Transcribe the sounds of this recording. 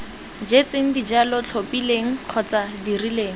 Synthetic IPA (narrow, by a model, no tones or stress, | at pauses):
d͡ʒet͡seŋ̩did͡ʒalɔt͡ɬʰopileŋ̩q͡χʰɔt͡sadirileːŋ̩